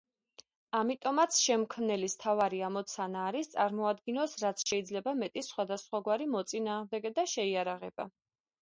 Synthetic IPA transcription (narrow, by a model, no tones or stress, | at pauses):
amit̪ʼɔmat̪sʰʃɛmkʰmnɛlist̪ʰavaɾiamɔt̪sʰanaːɾist̪sʼaɾmɔad̪ɡinɔsɾat̪sʰʃɛid̪zlɛbamɛt̪ʼisχwad̪asχwaɡwaɾimɔt̪sʼinaːʁmd̪ɛɡɛd̪aʃɛiaɾaʁɛba̰